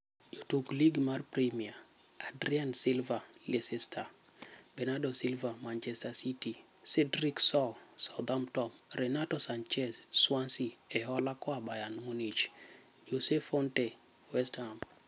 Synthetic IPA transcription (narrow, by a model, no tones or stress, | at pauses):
jotukliɡmarpɾimia | adɾiansilvalesɛsta | bɛnadɔsilvamant͡ʃɛstasiti | sɛdɾiksɔlsawd̪amtɔmrɛnatɔsant͡ʃɛsswansiɛɦɔlakɔabajanmunit͡ʃ | d͡ʒosɛfɔntɛ | wɛsthamb